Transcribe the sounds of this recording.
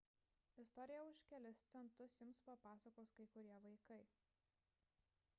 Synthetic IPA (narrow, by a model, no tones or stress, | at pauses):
ɪst̪ɔɾʲɪjɛʊʃʲkʲɛlʲɛst̪sʲɛnt̪ʊsjʊmspɐpɑːsɐkoːskɐɪkʊɾʲiɛʋɐɪkɐɪ